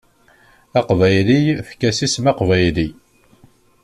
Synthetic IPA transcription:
ɑqvæjlijfkːæsismɑqvæjli

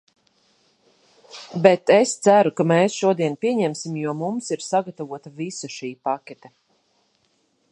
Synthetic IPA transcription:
bet̪est̪sæɾukameːsʃuɔd̪iɛnpiɛɲɛmsimjuɔmumsiɾsaɡat̪avuɔt̪avisaʃiːpakʲɛt̪ɛ

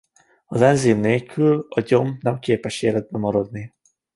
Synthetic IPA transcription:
ɒzɛnziːmneːlkʰylɒɟo̞mnɛmkeːpɛʃeːlɛd̪̚bɛmːɒɾod̪ni

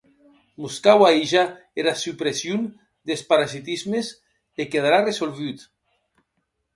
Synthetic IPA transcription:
muskawaiʒa | eɾasypɾesjun | d̪espaɾazit̪izmes | ekeðaɾaresolβyt̪

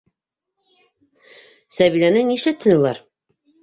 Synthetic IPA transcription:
sæβilænɘniʃɘt̪ʰːɘ̆nɤ̆lˠɑ̰ɾ

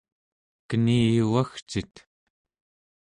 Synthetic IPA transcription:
kəniːjuwaxt͡ʃit̪

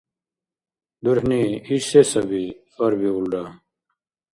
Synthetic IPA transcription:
d̪uɾhniisesɐbifɐɾbiulɖa

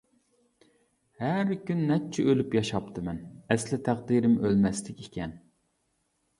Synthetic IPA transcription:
hæɾkʲynːɛp̚t͡ʃʰɛʔølypjɑʃɑpt̪ʰɨmɛnɛslɪt̪ʰæqd̪iɾɪmølmɛslɪkʲekʲɛn

